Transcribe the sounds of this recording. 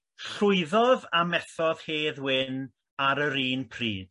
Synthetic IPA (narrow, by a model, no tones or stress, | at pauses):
ɬʊɨðɔðamɛθɔð̥heːðwɪn | aɾəɾiːnpʰrḭːd̥̚